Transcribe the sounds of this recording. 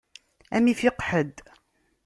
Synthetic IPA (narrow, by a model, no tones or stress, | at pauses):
æ̰mifiqħəd̪